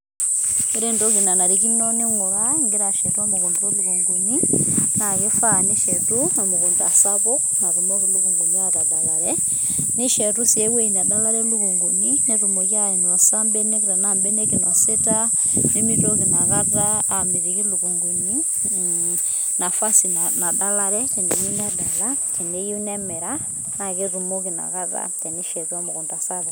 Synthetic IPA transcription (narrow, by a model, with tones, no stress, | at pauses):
i˦ɾe˦ndo˦ki˨na˨na˨ɾiki˦no˦ni˦ŋu˨laiŋɡi˦ɾa˨ʃe˨tu˦a˦muɣu˨nduo˦luɣu˨ŋɡu˨ninaɣi˦fani˦ʃetunomuɣu˨ndua̰˨saβo˦ | na˨ɾumo˦ɣilu˦ɣuŋɡu˨ni˦a˦ɾa˨da˨laɾe | ni˦ʃe˨tu˦si˨e˦we˦na˨da˦la˦ɾe˦lu˦ɣuŋɡu˨nine˦ɾu˨mɔ˨ɣa˦e˨nɔ˨sa˦mbɛ˦ne˦kɾɛ˨na˦˨mbɛ˦ne˦ke˨nɔ˨se˦ta˦ | ne˦mi˦ɾo˦ki˨na˨ɣa˦ða˦a˨mi˨ɾi˨ki˦lu˨ɣu˨ŋɡu˨ni˦ | na˨fa˦si˨nana˨da˦la˦ɾɛ˦ke˨ne˨ju˦nɛ˦da˨la˦kɛ˨ne˨ju˦nɛ˦mɛ˨ɾa˦ | na˨ke˦ɾu˨mɔ˦ke˨na̰˨ɣa˦ða̰˦tɛ˨ne˦ʃɛ˨ɾwa˦mo˨ɣo˨nda˨sa˦βɔ˨